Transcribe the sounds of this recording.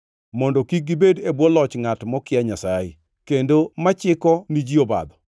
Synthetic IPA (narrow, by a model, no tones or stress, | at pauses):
mɔndɔkiɡibedebwɔlɔt͡ʃŋatmɔkɪaɲasajḛ | kendomat͡ʃɪkɔnid͡ʒioba̰d̪ɔ